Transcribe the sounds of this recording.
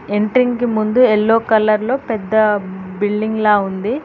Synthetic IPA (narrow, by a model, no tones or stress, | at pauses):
eɳʈɾiŋkimund̪uelːo̞ːkɐlːɐɾlo̞ːpɛd̪ːɐbilɖiŋɡlaːund̪i